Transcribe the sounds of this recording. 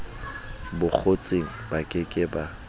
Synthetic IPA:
bʊk͡xʰot͡sʼeŋ̩bakʼɪkʼɪba

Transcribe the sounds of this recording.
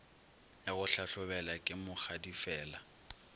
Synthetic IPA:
jaɣʊɬaɬʊbɛlakʼɪmʊk͡xadifɛːla

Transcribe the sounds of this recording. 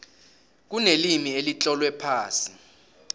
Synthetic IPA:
k̬unelimielit͡ɬʼɔlwɛpʰaːsi

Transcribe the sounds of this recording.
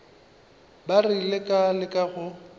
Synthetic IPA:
barilɪkʼalɪkʼaɣʊ

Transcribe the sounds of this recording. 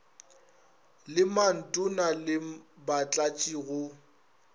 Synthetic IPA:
lɪman̩tʼʊnalɪbat͡ɬʼat͡ʃʼiːɣʊ

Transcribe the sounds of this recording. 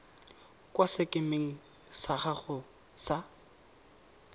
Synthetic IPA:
kwasɪkʼɪmɪŋ̩ | saχaχʊ | sa

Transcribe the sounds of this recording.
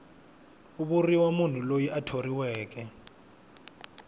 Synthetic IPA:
uɓuriwamun̤ulojiʔatʰoriwɛːk̬ɛ

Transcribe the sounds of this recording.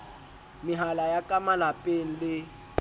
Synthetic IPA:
mɪɦalajakʼamalapʼen̩lɪ

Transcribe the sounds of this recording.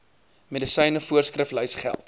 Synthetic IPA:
medisəjnəfuərskrəfləjsχæ̰lˠt

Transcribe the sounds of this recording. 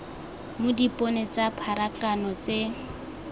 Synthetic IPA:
mʊdipʼɔnet͡sapʰaɾakanɔt͡se

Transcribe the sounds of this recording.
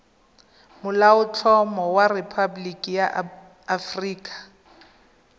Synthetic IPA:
mʊlaʊt͡ɬʰɔmɔwaripʰablikʼijaː | friːkʼḁ

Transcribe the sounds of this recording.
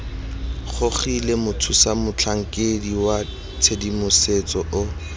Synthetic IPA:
χʊχilemʊtʰusamʊt͡ɬʰaŋ̩kʼediwa | t͡sʰedimʊset͡sɔʔʊ

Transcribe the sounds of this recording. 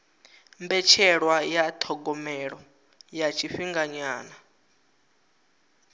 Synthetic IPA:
mbɛt͡ʃʰɛɺwajatʰɔɡɔmɛɺɔ | jat͡ʃʰiɸiŋɡaɲaːna

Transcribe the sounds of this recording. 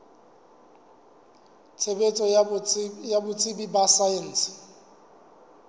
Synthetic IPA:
t͡sʰebet͡sʼɔ | jabʊt͡sʼɪbibasaɛn̩ːsɪ̥

